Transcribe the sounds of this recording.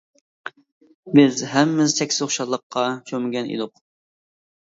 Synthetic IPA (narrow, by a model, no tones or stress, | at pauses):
bɪzɦɛmːɪzt̪ʰɛkʲsɪ̥zχʊʃɑlˠːəqʰːɑʃʰømɪɡʲɛnḭd̪ʊq